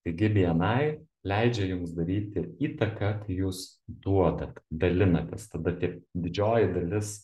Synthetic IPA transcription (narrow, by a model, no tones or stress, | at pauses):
t̪ɐɪɡʲɪbʲiɛnɐɪ | lʲɛɪd͡ʒʲɛjʊmsd̪ɐɾʲiːt̪ʲɪiːt̪ɐkɐk̪ɐɪjuːs | d̪uɔd̪ɐt̪ʲd̪ɐlʲɪnɐt̪ʲɛst̪ɐd̪ɐt̪ʲiɛp̚d̪ʲɪd͡ʒʲoːjɪd̪ɐlʲɪs